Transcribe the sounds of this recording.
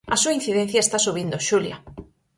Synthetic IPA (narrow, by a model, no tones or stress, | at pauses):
ɐsuain̟θiðẽn̟θjaest̪asuβ̞ind̪oʃulja̰